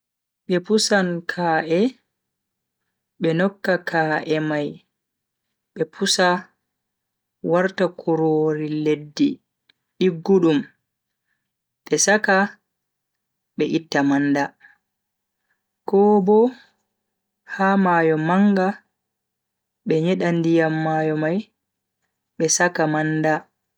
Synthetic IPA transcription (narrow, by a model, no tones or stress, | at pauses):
ɓɛpusankʰaːʔɛ | ɓɛnɔkːakʰaʔɛmaj | ɓɛpʰusa | waɾtakʰuɾoːɾiledːi | ɗiɡːuɗum | ɓɛsaka | ɓɛʔitːamanda | kɔːbɔ | hamaːjɔmaŋɡa | ɓɛɲɛɗandijamːajɔmaj | ɓɛsakamanda